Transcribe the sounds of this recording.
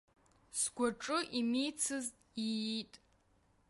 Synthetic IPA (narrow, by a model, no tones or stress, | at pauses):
sɡʷaʈ͡ʂʼɨʔimijt͡sʰɨztʼitʼ